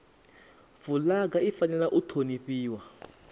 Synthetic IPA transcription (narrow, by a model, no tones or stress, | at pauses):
vulaɡaifanɛlaʔutʰoniɸiːwa